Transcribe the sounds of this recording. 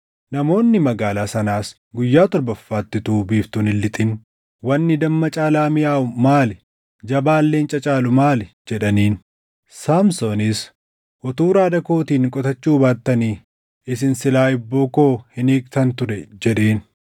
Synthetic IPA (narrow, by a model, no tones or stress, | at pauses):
nɐmo̞ːnːɪmɐɡaːlaːsɐnaːs | ɡʊjːaːt̪ɔɾbɐfːaːt̪ːɪt̪uːbiːft̪ʊnɪlːɪt̪ʼɪn | wɐnːɪd̪ɐmːɐt͡ʃʼaːlaːmɪjaːʔʊmaːlɛ | d͡ʒɐbaːlːe̞ːnt͡ʃʼɐt͡ʃʼaːlʊmaːlɛd͡ʒɛᶑɐniːn | saːmsonɪs | ʔɔt̪uːɾaːd̪ɐko̞ːt̪iːŋkʼɔt̪ɐt͡ʃːuːbaːt̪ːɐniː | ɪs̬ɪnsɪlaːɪbːoːkoːhɪniːkt̪ɐnt̪ʊɾɛd͡ʒɛᶑeːn